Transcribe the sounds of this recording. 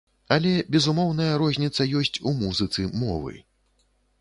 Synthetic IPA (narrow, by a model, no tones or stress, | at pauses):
ɐlʲɛbʲɛzumɔwn̪ɐjɐɾɔzʲnʲit̪sɐjɔsʲt͡sʲumuzɨt̪sɨmɔ̰vɨ̰